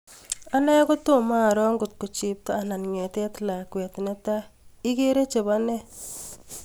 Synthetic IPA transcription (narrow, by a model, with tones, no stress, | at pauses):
a˦na˦ko˦to˦˨ma˦˨ɾɔ˦ŋɡʊ˨t̚ku˨t͡ʃi˨p̚taː˦˨na˨nŋɛ˨tɛ˦tla˨kwɛ˨tne˦ta˦i˦ke˦ɾe˦t͡ʃe˨ba˦nɛ˦